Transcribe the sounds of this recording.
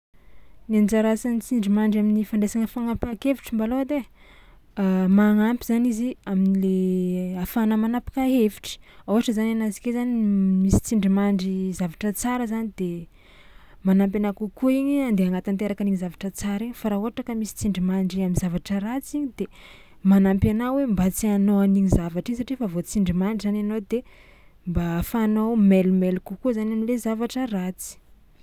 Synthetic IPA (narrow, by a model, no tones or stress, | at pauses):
nand͡ʒaɾasanit͡siɳɖ͡ʐimaɳɖ͡ʐaminifaɳɖ͡ʐesaŋəfaŋampakeviʈ͡ʂimbaload̪e | maŋampiz̥aniziaminileafanəmanapḁkaɦevi̥ʈ͡ʂi̥auaʈ͡ʂəzananazi̥kezanimisi̥t͡siɳɖ͡ʐimaɳɖ͡ʐizavaʈ͡ʂət͡saɾəzanid̪e | manampenakukuiɲiand̪eaŋɡat̪ant̪eɾakaniɲizavaʈ͡ʂət͡saɾiɲfaɾauɦaʈ͡ʂakəmisi̥t͡siɳɖ͡ʐimaɳɖ͡ʐiamizavaʈ͡ʂəɾat͡siɲid̪e | manampjanawembat͡sianoaniɲizavaʈ͡ʂiɲs̬aʈ͡ʂiefavot͡siɳɖ͡ʐimaɳɖ͡ʐizananod̪e | mbafanowmelumelukukuzanamilezavaʈ͡ʂərat͡si̥